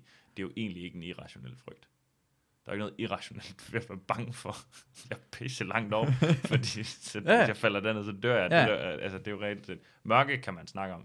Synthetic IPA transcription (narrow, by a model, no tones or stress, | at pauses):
d̥e̝joʔe̝̰ːnlie̝ɡ̥əeniʁɑ̈ɕo̝nel̰fʁœɡ̥̚d̥ | d̥ɑ̈ɐe̝ɡ̥nɔːð̩ˠiʁɑ̈ɕo̝nel̰d̥ʋæɐfælb̥ɑ̈ŋəfɒjɑ̈ɪpʰesəlɑ̈ŋ̰d̥ɒʊ̰fɒd̥ḭːsɒjɑ̈ɪfæl̰ɐd̥æɐeðˠsɒ̽d̥øɐ̰jɑ̈døɐ̰ælsəd̥e̝joʁɛlsed̥ | mɶɐɡ̥əkʰæmænsnɑ̈ɡ̥əɒ̽m